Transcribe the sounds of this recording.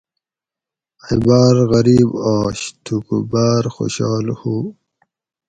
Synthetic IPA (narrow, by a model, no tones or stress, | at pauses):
ibaːɾɣɐɾiːbaːɕt̪ʰukubaːɾxo̰ɕaːlhuː